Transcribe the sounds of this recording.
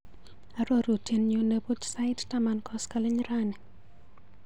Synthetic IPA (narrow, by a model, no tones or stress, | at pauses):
aɾoɾutinɲonebut͡ʃsaɪttamankɔskalɪɲɾanɛ